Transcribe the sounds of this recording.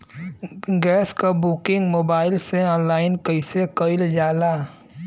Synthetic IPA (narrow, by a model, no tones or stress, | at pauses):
ɡɛːskabuːkɪ̃ŋɡmoːbaːɪlseɔːnlaːɪnkəɪsekəɪld͡ʒaːlaː